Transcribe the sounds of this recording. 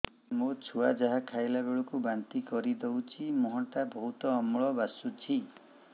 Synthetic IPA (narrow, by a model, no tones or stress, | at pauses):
mot͡ʃʰuad͡ʒaɦakʰajlabeɭɔkubant̪ikɔɾid̪ewt͡ʃʰimɔɦɔʈabɔɦut̪ɔːmɭɔbasut͡ʃʰi